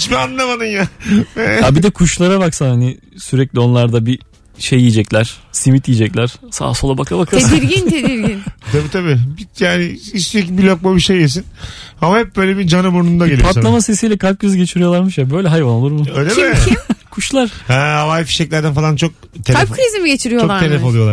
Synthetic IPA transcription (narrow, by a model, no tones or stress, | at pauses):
t͡ʃbianːɯnamad̪ɯnjaɛabid̪ɛkʰuʃlˠaɾaβaksanhanɪ | syɾɛclʲio̞nlˠaɾd̪abi | ʃejːiːd͡ʒɛclʲæɾ̥simit̪jiːd͡ʒɛclʲæɾ̥sa̰ːsolˠabakʰabakʰaed̪iɾɡinʰed̪iɾɡint̪ʰabiːt̪ʰabibijaːnɪist̪iecibilʲok̚mabiʃejes̬inamahɛp̚bøjlʲebid͡ʒanɯmuɾnund̪aɟelʲijpʰat̪slˠamase̞sijːlʲɛkʰap̚ɟøzyɟe̞t͡ʃʰiɾijolˠaɾmɯʃjabø̞jlʲɛɦajvano̞lˠuɾbuøjlʲeiimkʰuʃlˠaɾ̥hɛːavajfi̥ʃɛclʲæɾd̪ænfalˠant͡ʃʰo̞k̚t̪ʰelapkʰɾizimiɟe̞t͡ʃʰiɾijot͡ʃʰot̪ʰelʲɛoujo̞lˠaɾ